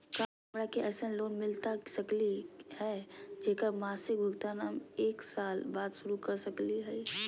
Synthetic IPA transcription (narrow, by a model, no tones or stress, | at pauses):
kaː | mɾakeɛːsəloːnmɪlt̪asɐklihɛːd͡ʒeːkəɾmaːsɪk̚bʱʊɡt̪anaːmeːksaːlbaːd̪ʃʊɾukɐɾsɐkliɦɛː